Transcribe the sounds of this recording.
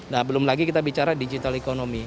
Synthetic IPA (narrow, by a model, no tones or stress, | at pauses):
nahbəlʊmlaɡikit̪abit͡ʃaɾadid͡ʒit̪alekonomi